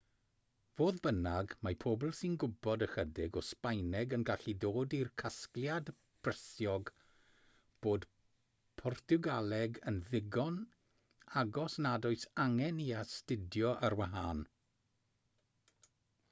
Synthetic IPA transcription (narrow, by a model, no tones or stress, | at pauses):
voːðbənaɡmapʰobl̩ˠsinɡʊbɔdəxədɪɡɔspajnɛɡənɡaɬidoːdirkʰaskljad | b̥rəsjɔɡ | b̥oːd̥ | pʰɔrtʰuɡalˠɛɡənðɪɡɔn | aɡɔsnadɔɨsaŋɛniastɪdjɔʔaɾwaɦaːn